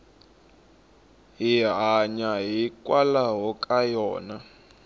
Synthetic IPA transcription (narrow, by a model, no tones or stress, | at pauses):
ɦiɦaɲaɦikʼwalaɦɔkʼajɔːna